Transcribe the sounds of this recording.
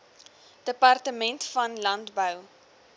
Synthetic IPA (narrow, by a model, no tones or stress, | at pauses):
d̥əpɐrtəmɛntfɐnlɐntbəw